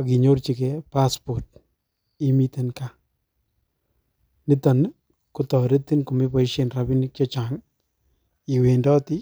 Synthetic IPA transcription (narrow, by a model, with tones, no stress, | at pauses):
aɡi˨ɲo˦ɾt͡ʃɪ˨kepaspo˨ɾt̚ | i˦mit̪e˦nka˦ | nɪ˦t̪ɐn | kʊ˦t̪ɔ˨ɾe˦t̪ːɪ˦nkʊ˨mɪ˦pɔ˨iʃe˨nɾabi˦nt͡ʃɔ˦t͡ʃa˨ŋ | i˨we˨ndɔ˦t̪ɪ˦